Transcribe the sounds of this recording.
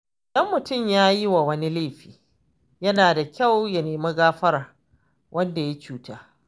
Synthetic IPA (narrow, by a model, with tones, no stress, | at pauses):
dɐ˦mːʊ˨tʊ˦˨mjaː˦ji˦wa˨wɐ˦ni˦le˦˨ɸiː˨ | jɐ˦naː˨da˨kʲa˦˨wja˨neː˨ma˦ɡaː˦ɸɐ˦ɾ | wʔɐ˦nda˨ja˦t͡ʃuː˦taː˦